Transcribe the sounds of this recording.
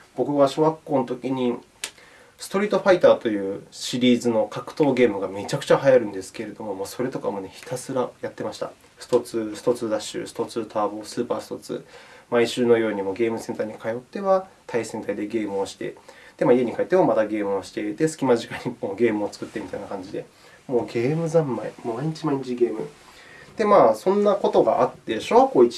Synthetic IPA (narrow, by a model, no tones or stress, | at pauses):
b̥o̞kɯ̟βaɕoβakːo̞ːnot̪o̞kʲiɲ̟i | sɨ̥t̪o̞ɾʲiːt̪o̞ɸait̪aːt̪o̞jɯ̟ːɕiɾʲiːzɨno̞kakɯ̟̥t̪o̞ːɡe̞ːmɯ̟ɡame̞t͡ɕakɯ̟̥t͡ɕaɦajaɾɯ̟̃nd̪e̞sɨ̥ke̞ɾe̞d̪o̞mo̞moːso̞ɾe̞t̪o̞ka̰mo̞ne̞çi̥t̪asɨɾajat̪ːe̞maɕi̥t̪a̰ | ɸɯ̥t̪o̞t͡sɨsi̥t̪o̞t͡sɨd̪aɕɨ̰ːsɨ̥t̪o̞t͡sɨt̪ʰaːboːsɨːpaːsɨ̥t̪o̞t͡sɨ̰maiɕɨːno̞jo̞ːɲ̟imo̞ːɡʲe̞ːmɯ̟sẽ̞nt̪aɲ̟ikajo̞t̪ːe̞βat̪ʰaisẽ̞nt̪aid̪e̞ɡe̞ːmɯ̟o̞ɕi̥t̪e̞̰d̪̥e̞maːie̞ɲ̟ikait̪ːemomat̪aɡe̞ːmɯoɕi̥t̪e̞it̪e̞sɨ̥kʲimaʑikaiɲ̟imoːɡe̞ːmɯ̟o̞t͡sɨ̥kɯ̟t̪ːe̞mʲit̪ainakãɲ̟d͡ʑid̪e̞ | mo̞ːɡe̞ːmɯ̟zãmːaimmaiɲ̟it͡ɕimaiɲ̟it͡ɕiɡe̞ːmɯ̟ | d̪̥e̞maːsõ̞nːako̞t̪o̞ɡa̰ʔat̪ːeɕokoːi